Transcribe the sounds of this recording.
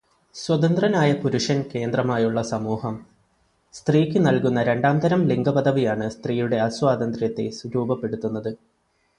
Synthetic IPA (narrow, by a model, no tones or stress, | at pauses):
swɐd̪ɐnd̪rɐnaːjɐpuɾuʂɐnke̞ːnd̪rɐmaːjuɭːɐsɐmuːhɐm | st̪riːkʲːɨnɐlkunːɐɾe̞ɳɖaːmd̪ɐɾɐmliŋɡɐpɐd̪ʱɐʋijaːɳɨst̪rijuɽe̞ɐswaːd̪ɐnd̪rjɐt̪ːe̞̰swuɾuːbɐpːe̞ɽut̪ːunːɐðɨ